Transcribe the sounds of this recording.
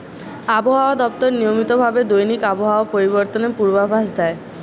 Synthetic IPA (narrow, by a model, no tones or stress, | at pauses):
aboɦaoad̪ɔp̚t̪ɔɾnijomit̪obʱabed̪ojnikaboɦaoopoɾibɔɾt̪onepuɾbabʱasd̪ɛe